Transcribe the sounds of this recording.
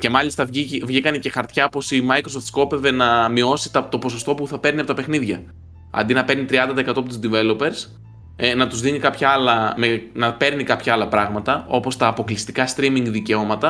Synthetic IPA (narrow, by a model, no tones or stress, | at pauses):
ce̞mɐlist̪ɐivʝikɐnece̞xɐɾt̪çɐpo̞simɐjkɾo̞soft̪sko̞pe̞ve̞nɐmio̞si̥t̪ɐt̪o̞po̞so̞st̪o̞puθɐpe̞ɾniɐpot̪ɐpe̞xniðʝɐ | ɐ̰nd̪inɐpe̞ɾnit̪ɾiɐnd̪ɐt̪ɐekɐt̪oɐpot̪uzd̪ive̞lo̞pe̞ɾs | nɐt̪uzðinikɐpçɐɐlɐmenɐpe̞ɾnikɐpçɐɐlɐpɾɐɣmɐt̪ɐo̞po̞st̪ɐːpo̞klist̪ikɐst̪ɾimiŋɡðice̞o̞mɐt̪ɐ